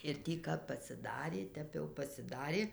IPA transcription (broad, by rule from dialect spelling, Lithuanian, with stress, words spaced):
ɪr ˈtʲiː kɐp pɐsʲɪˈdɑːrʲeː ˈtʲɛp jɛʊ pɐsʲɪˈdɑːrʲeː